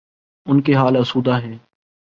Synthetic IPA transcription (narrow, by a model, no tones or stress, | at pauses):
ʊnkeɦaːləsuːd̪aːɦɛ̃ː